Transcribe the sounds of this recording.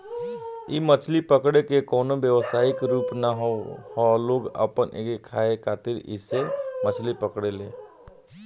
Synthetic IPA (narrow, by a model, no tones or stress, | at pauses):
ḭːmət͡ʃʰlipəkɽekekɔːnobjəʋəsaːɪkɾuːpnaɦhɔloːɡə̰pənʔḛkekʰaːekʰaːt̪ɪɾɪ̰semət͡ʃʰlipəkɽeleː